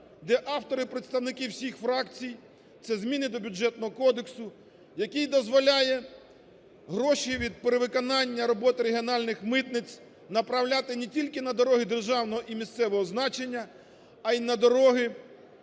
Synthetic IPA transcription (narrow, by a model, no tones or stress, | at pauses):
d̪ɛʔɑwt̪ɔɾɪpɾet̪st̪ɐwnɪkɪwsʲixfɾɑkt͡sʲij | t̪sɛzmʲinɪd̪ɔbʲʊd͡ʒɛt̪nɔɦɔkɔd̪eksʊ | jɐkijd̪ɔzʋɔlʲajɛ | ɦɾɔʃiʋʲid̪̚peɾeʋɪkɔnɑnʲːɐɾɔbɔt̪ɪɾeɦʲiɔnɑlʲnɪxmɪt̪nɪt͡sʲ | nɐpɾɐwlʲat̪ɪnetʲilʲkɪnɐd̪ɔɾɔɦɪd̪erʒɑwnɔɦɔʔimʲist̪sɛʋɔɦɔznɑt͡ʃenʲːɐː | inɐd̪ɔɾɔɦɪ